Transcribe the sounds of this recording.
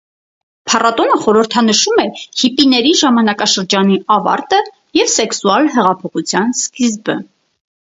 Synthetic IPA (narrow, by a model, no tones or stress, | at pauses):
pʰɑrɑt̪ɔnəχɔɾəɾt̪ʰɑnəʃumɛhipinɛɾiʒɑmɑnɑkɑʃəɾd͡ʒɑniʔɑvɑ̰ɾt̪ə | jɛvsɛksuɑlɦɛʁɑpʰɔχut͡sʰjɑnskizbə